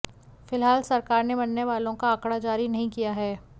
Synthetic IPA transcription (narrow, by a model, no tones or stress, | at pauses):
fɪlɦaːlsɐɾkaːɾnebɐnːeʋaːlõkaəkɽad͡ʒaːɾinɐɦĩkijaɦɛː